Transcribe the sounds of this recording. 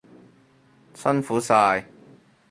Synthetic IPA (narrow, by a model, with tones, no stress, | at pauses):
sɐ˥nfuː˨˥saː˧j